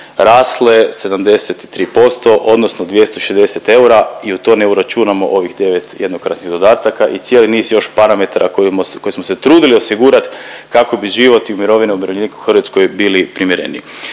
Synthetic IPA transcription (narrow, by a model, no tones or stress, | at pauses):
ɾaːsle̞se̞d̪amd̪e̞set̪i̥t̪ɾiːpo̞st̪o̞ʔo̞d̪nosnod̪ʋje̞st̪oiʃezd̪eset̪e̞uɾaiut̪oːneuɾat͡ʃunamo̞̰ʔo̞ʋixd̪e̞ʋet̪jed̪nokɾat̪niɣd̪o̞d̪aːt̪akaʔit̪sjeliniːzjo̞ʃpaɾame̞t̪aɾʔakoko̞jismoset̪ɾuːd̪iliosiɡuɾat̪kako̞biʒiʋo̞t̪iumiɾo̞ʋineumɾoenikuxr̩ʋat̪sko̞jbilipɾimjeɾe̞̰nḭ